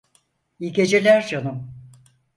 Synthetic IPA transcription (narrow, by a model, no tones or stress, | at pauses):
iɡʲe̞d͡ʒelʲæɾd͡ʒonum